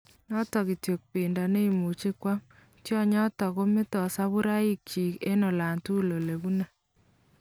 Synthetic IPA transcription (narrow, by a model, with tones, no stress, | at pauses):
nɔ˦tɔ˨ki˨tjo˨k̚pɪ˨nda˨ne˦i˨mu˨t͡ʃi˦kwa˦m | tjɔ˦ɲɔ˦tɔ˨ko˦mɪ˦tɔ˨sa˦βu˦ɾa˦ɪ˦k̚t͡ʃi˨kḛ˦nɔ˨la˨ntu˦lo˨le˨bu˦na˨